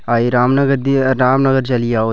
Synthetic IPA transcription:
aiɾaːmnɐɡəɾd̪iɾaːmnɐɡəɾt͡ʃɐlijao

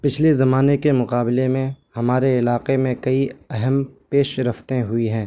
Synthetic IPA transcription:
pɪt͡ʃʰlezɐmaːnekemʊqaːbɪlemẽhɐmaːɾeɪlaːqemẽkɐiɛɦɛmpeːʃɾɐft̪ẽɦʊiɦɛ̃ː

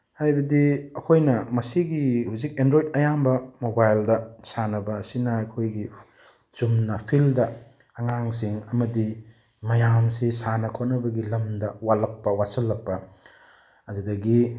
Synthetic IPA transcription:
hajbɐdiɐkʰojnɐmɐsiɡihuwzik̚endɾojdɐjambɐmobajldɐsanɐbɐːsinɐɐjkʰojɡi | t͡ʃumnɐpʰildɐ | ɐŋaŋsiŋɐmɐdi | mɐjamsesanɐkʰot̚nɐbɐɡilɐmdɐwalɐk̚pɐwasɐlːɐk̚pɐ | ɐdudɐɡi

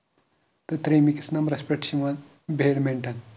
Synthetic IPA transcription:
t̪ɨt̪ɾimiki̥snɐmɾɐspeʈɕimɐn | beɽmeɳʈɐn

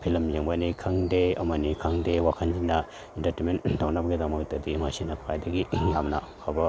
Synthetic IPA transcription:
pʰilɐmjɐŋbɐnikʰɐŋdeɐ̰mɐnikʰɐŋdewakʰɐnd͡ʒinːɐ | intɐtementawnɐbɐɡidɐmɐk̚tɐdimasinɐpʰajdɐɡijamnɐkʰabɐ

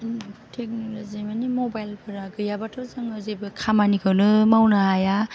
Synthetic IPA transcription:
ntʰek̚nolozimanimobajlpʰɯɾaɡɯjabatʰɯzɯŋɯzebɯkʰamanikʰɯwnɯmawnaaja

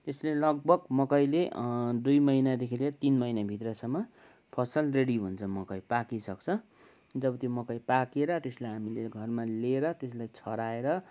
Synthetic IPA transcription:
t̪eslelʌɡ̚bʱʌɡmʌkʌjled̪ujmʌjnad̪ekʰeleɾʌt̪inmʌjnabʱit̪rʌsʌmːʌ | pʰʌsʌlreɽibʱunt͡sʰʌmʌkʌjpakisʌkt͡sʰʌ | d͡zʌbʌt̪jomʌkʌjpakeɾʌt̪eslajɦamileɡʱʌrmaleɾʌt̪eslajt͡sʰʌɾaeɾʌ

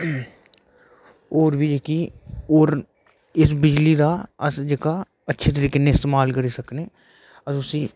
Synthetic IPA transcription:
oːɾbʱiːd͡ʒeːkiːoːɾ | ɪsbɪd͡ʒliːd̪aːəsd͡ʒeːka | ətːʃʰet̪̬əɾiːkeːnẽːɪst̪eːmaːlkəɾiːsəkneː | əʊsiː

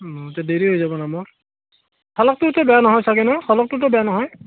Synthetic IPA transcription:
tadeɹiɦojzabɔnamɔɹ | hʰɔlɔk̚tʊtʊbɛjanɔɦɔjsaɡɛnɔxʰɔlɔk̚tʊtʊbɛjanɔɦɔj

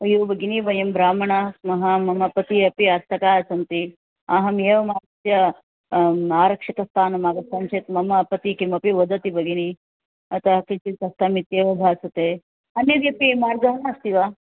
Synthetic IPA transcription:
ɐjuːbɐɡinibɐjɐmbɾaːmɐɳamɐɦamɐmɐpɐt̪iɐpiat̪ʰːɐkaːɐsɐnt̪i | aːɦɐmjeːʋɐmaːɾsjɐ | aːɾɐkʂɐt̪ɐst̪ʰaːnɐmaːɡɐsɐnʃeːt̪mɐmɐpɐt̪ikimɐpiʋɐd̪ɐt̪ibɐɡini | ɐt̪ɐɐkit͡ʃit̪ɐst̪amit̪jeːʋɐbʱaːsɐt̪eː | ɐnːjed̪iɐpimaːɾɡɐɦɐɳaːst̪iʋaː

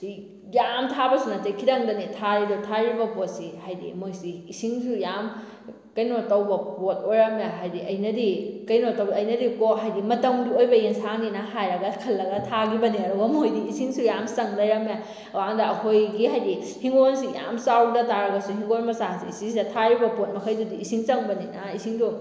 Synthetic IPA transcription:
di | jamtʰabɐsunatekʰiɾɐŋdɐnitʰaɾidutʰaɾibɐpot̚sihajdḭmojsiːsiŋsujam | kɐjnotɐwbɐpot̚ojɾɐmjaɦajdiɐjnɐdikɐjnotɐwɐjnɐdikoɦajdimɐtɐmdiojbɐjeŋsaŋinɐɦajɾɐɡɐkʰɐlːɐɡɐtʰaɡibɐniɐɾɔwɐmojdiːsiŋsujamsɐŋlɐjɾɐmja | waŋdɐɐkʰojɡiɦajdi | hiŋɡonsija̰msawdɐtaɾɐɡɐsuhiŋɡonmɐsasḭisiŋsidɐtʰaɾibɐpot̚mɐkʰɐjdudiːsiŋt͡ʃɐŋbɐninaisiŋdu

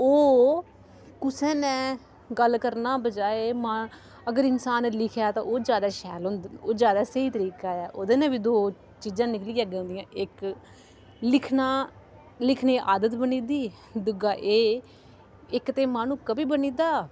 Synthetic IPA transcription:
oː | kʊsɛ̃ːnɛ̃ː | ɡəlkəɾnaːbəd͡ʒaːeːma | əɡəɾɪnsaːnlɪkʰjaːt̪ã̰ːʔoːd͡ʒjaːd̪aːʃɛːlõːnd̪oːd͡ʒjaːd̪aːsəiːt̪əɾiːkaːaːʔoːd̪eːnɛ̃ːbiːd̪oː | t͡ʃiːd͡ʒãːnɪkliːaːɡẽːnd̪ɪjãːʔɪk | lɪkʰnaː | lɪkʰneːʔaːd̪ət̪bəniːd̪iː | d̪ʊɡaːʔeː | ɪkt̪eːmaːnũːkəbiːbəniːd̪aː

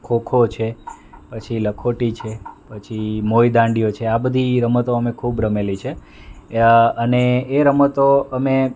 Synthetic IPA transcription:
kʰokʰot͡ʃʰe | pət͡ʃʰiləkʰoʈit͡ʃʰepət͡ʃʰimojd̪ãɳɖijot͡ʃʰeabəd̪ʱiɾəmət̪oəmekʰubɾəmelit͡ʃʰe | əneːɾəmət̪oəme

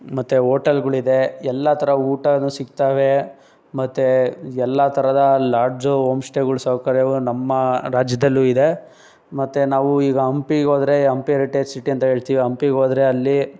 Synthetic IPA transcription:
mɐt̪ːeoːʈɐlɡɐɭid̪e̞ɛlːɐt̪ʰɐɾɐuːʈɐnuːsikt̪aːʋe | mɐt̪ːeɛlːɐt̪ʰɐɾɐd̪ɐlaːɾd͡ʒɦoːmsʈeɡɐɭsɐwkɐɾjɐʋunɐmːɐɾaːd͡ʒjɐd̪ɐlːuːid̪e | mɐt̪ːenaːʋuiːɡɐɐmpiɡoːd̪ɐɾe̞ɐmpiɐɾiʈeːd͡ʒsiʈiɐnt̪ɐɦe̞ːɭt̪iːʋiɐmpiɡoːd̪ɾe̞ɐlːi

